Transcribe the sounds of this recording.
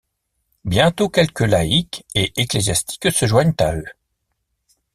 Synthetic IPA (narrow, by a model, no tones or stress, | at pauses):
bjɛ̃t̪okʲɛlkəlaikeʔeklezjast̪i̥ksəʒwaɲt̪a̰ø